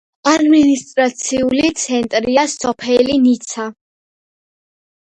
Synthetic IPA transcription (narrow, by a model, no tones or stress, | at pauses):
ad̪minist̪ʼɾat̪sʰiulit̪sʰɛnt̪ʼɾiasːɔpʰɛlinit̪sʰa